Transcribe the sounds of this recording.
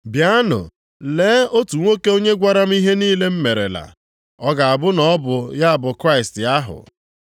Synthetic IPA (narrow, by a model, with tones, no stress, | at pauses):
bja˦nʊ̰˨ | leː˨˦o˦tu˨ŋʷo˦ke˦o˦ɲe˦ɡʷa˦ɾa˦m̩˦i˦ɦe˦niː˦le˦m̩˦me˨ɾḛ˨la̰˨ | ɔ˦ɡa˨a˨bʊ˦nɔ˦bʊ˨ja˦a˨bʊ˨kɾa˦ɪ˨stja˦ɦʊ̰˨